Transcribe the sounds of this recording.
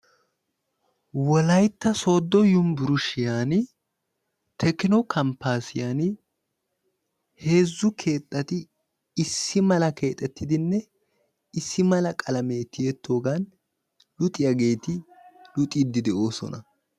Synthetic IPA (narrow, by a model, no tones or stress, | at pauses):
wɔlɐjt̪ːɐso̞ːd̪ːɔjʊmbʊɾʊʃɪjaːn | t̪ʰɛkɪnɔkʰɐmpːaːsɪjan | he̞ːzːʊkʰe̞ːt̪ʼːɐt̪ɪː | sːɪmɐlɐkʰe̞ːt̪ʼɛt̪ʰːɪd̪ɪnːɛ | ɪsːɪmɐlɐkʼɐlɐme̞ːt̪ːɪjɛt̪ːo̞ːɡɐn | lʊt̪ʼɪjaɡe̞ːt̪ɪlʊt̪ʼid̪ːɪd̪ɛʔo̞ːsɔ̰nɐ̰